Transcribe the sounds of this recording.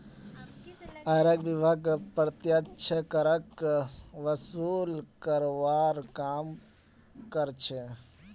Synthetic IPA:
ɐɾekʋibʱaɡpəɾt̪jət͡ʃʰəkɐɾək | ʋəsuːlkəɾʋaːɾkaːm | kəɾt͡ʃʰe

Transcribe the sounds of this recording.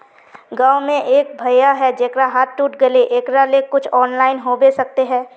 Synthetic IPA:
ɡaːwmẽʔeːk̚bʱɐjaɦɛd͡ʒeːkɾaɦaːt̪̚ʈuːʈɡɐleʔeːkɾalekʊt͡ʃʰɔːnlaːɪnɦobesɐk̚t̪eɦɛ̃ː

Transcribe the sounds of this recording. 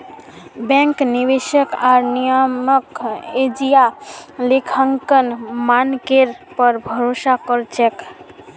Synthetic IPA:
bɛ̃ŋknibeʃəkaɾnijəməked͡ʒijalekʰəŋkənmankeɾ | pɔɾbʱɔɾosakɔɾt͡ʃʰek

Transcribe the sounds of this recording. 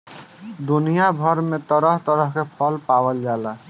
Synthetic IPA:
d̪unijabʱɔɾmet̪ɔɾɔɦt̪ɔɾɔɦkepʰɔlpawəld͡ʒala

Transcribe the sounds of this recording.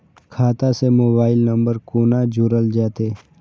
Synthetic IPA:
kʰaːt̪asemoːbaːɪlnəmbəɾkoːnad͡ʒʱʊɾəld͡ʒaːt̪eː

